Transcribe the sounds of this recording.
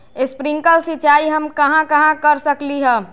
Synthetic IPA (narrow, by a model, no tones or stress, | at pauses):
espɾiŋkəlsit͡ʃaiɦəmkəɦãkəɦãkəɾsəkliɦɛ̃